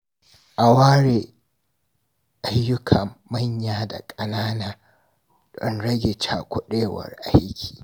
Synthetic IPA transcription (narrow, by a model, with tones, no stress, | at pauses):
ʔa˨waː˦ɽeː˨ | ʔa˦jːʊ˦kʰɐ˨mːa˦ɲjaː˨da̰˨kʼɐ˨naː˦naː˨ | d̥ɔ˦nɽɐ˦ɡʲe˨t͡ʃa̰ː˨kʷʊ˦ɗeː˦wɐ̰˨rʔa˦jkʲʰi̥ː˨